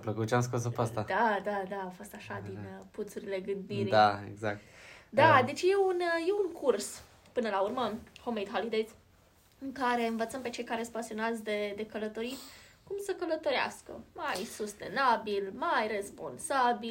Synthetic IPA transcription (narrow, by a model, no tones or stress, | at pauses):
apləkut̪̚t͡ʃeamskos̬opast̪ad̪ad̪ad̪aːfo̞st̪aʃad̪input̪suɾile̞ɡɨnd̪iɾiaḛɡzak̚t̪d̪ad̪e̞t͡ʃje̞unje̞uŋkʰurs | pɨnəlaurməho̞mejd̪ɦolid̪ejt̪s | ɨŋkaɾe̞ɨnvət̪səmpe̞t͡ʃe̞jkaɾe̞spasio̞nazd̪e̞d̪e̞kələt̪o̞ɾit̪ʲkumsəkələt̪o̞ɾea̰skə̰majsust̪e̞̰nabilmajre̞spo̞̰nsabil